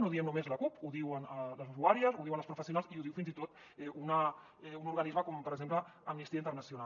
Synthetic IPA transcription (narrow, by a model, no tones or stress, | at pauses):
noðiɛmnumezlɐkupuðiwənələzuzuaɾiəzuðiwanləspɾufəsjunalziuðiwfinzit̪ot̪ | ɛʔunə | ɛunuɾɣɐnizməkɔmpəɾəɡzempləəmnist̪iaint̪ərnəsjuna